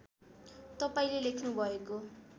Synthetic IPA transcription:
t̪ʌpaĩlelekʰnubʱʌeko

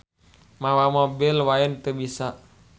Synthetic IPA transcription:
mawamɔbilwaint̪əbisa

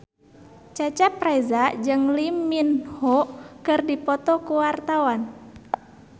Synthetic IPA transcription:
t͡ʃat͡ʃapɾazad͡ʒɨŋlimːinhɔkɨrdipɔt̪ɔkuwart̪awan

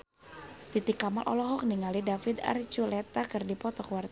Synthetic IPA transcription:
t̪it̪ikamalʔɔ̰lɔɦɔk̚niŋalidafid̪a̰rt͡ʃulɛt̪akɨrdipɔt̪ɔkwart̪

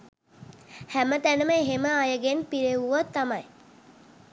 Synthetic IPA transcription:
hæmət̪ænəməeɦeməajəɡenpiɾeʋuʋot̪ːamaj

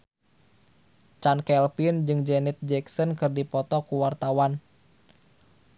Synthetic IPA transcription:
t͡ʃankɛlpind͡ʒɨŋd͡ʒɛnit̪̚d͡ʒɛksɔnkɨrdipɔt̪ɔkuwart̪awan

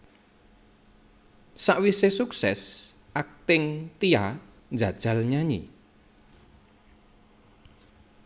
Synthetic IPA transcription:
saʔwisesuksɛs | ʔak̚t̪ɪŋt̪ia | nd͡ʒad̥ʒ̥a̤lɲaɲḭ

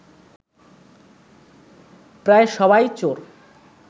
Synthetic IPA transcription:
pɾaeʃɔbajt͡ɕoɾ

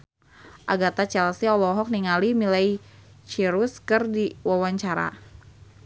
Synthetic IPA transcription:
ʔaɡat̪at͡ʃɛlsiɔlɔɦɔk̚niŋalimilaj | t͡ʃiɾuskɨrdiwawaɲt͡ʃaɾa̰

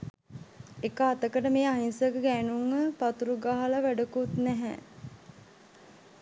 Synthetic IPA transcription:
ekaːt̪əkəʈəmeːaɦinsəɡəɡænuŋːəpat̪uɾuɡaɦalaʋæɖəkut̪næɦæ̰

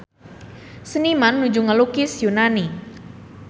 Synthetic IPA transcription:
sənimanːud͡ʒuŋəlukɪsjunani

